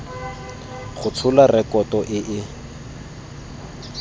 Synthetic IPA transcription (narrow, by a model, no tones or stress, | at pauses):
χʊt͡sʰʊlarɛkɔtɔʔɪʔɪ